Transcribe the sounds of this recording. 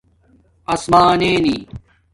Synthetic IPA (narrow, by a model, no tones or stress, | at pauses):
ɐsmaːneːnḭː